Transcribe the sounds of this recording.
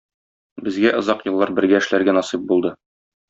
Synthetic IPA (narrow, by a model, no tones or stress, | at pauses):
bɘ̆zɡæʔɤ̆zɑqjɤ̆lˠːɑɾbɘ̆ɾɡæɘ̆ʃlæɾɡænɒsip̚bulˠd̪ɤ